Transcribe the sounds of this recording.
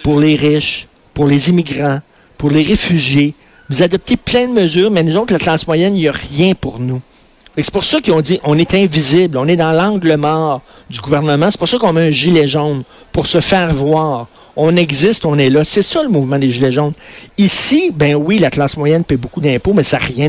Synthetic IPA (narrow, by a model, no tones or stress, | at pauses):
puʁleʁɪʃ | pʊʁlezimiɡʁɑ̃ | pʊʁleʁefyʒje | vuzad̪ɔp̚t̪eplɛ̃d̪əməzyːʁmɛnuzoʊt̪lat̪lɑ̃smwajɛniəʁjɛ̃puʁnu | fakse̥pʊʁsʌkʲiɔ̃dziʔɔ̃nɛt̪ɛ̃vizɪblɔ̃nɛd̪ɑ̃lɑ̃ɡləmɑːʁ | d̪yɡuvɛʁnəmɑ̃se̥pʊʁsʌkɔ̃mɛɛ̃ʒileʒon | puʁsəfɛːʁvwaːʁ | ɔ̃nɛɡzɪst̪ɔ̃nɛlʌsɛsʌləmuvmɑ̃d̪eʒileʒoʊnisibɛ̃wilat̪lɑ̃ːsmwajɛnpɛbokud̪ɛ̃pomɛsaʁjɛ̃